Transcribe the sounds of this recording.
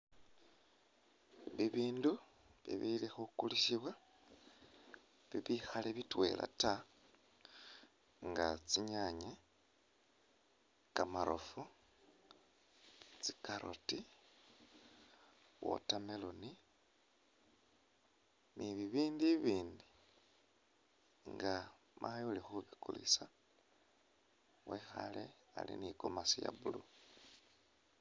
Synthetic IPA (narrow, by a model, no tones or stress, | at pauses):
βiβiːndu | βḭβilixukuliʃiβwa | βiβixaleβitwe̞̰lʔa̰ta | ŋɡa̰t͡siɲaɲa | kamaɾʔo̰fu | t͡si̥kaɾʔo̰ti | wo̰tameloni | miβiβiːndiβiːndi | ŋɡa | mʔajulixuβikulḭsa | wexa̰le | alḭnikomasija̰βulu